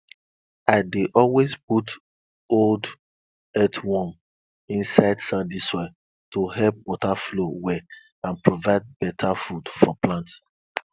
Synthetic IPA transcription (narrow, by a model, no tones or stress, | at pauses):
aɪdeʔɔlwezput | old | ɛtʰwɔ̃m | ĩnsaɪdsãndisɔ | toɦɛlp̚wɔtaflowɛ | ãnpɹovaɪd̚bɛtʰafudfɔplãnt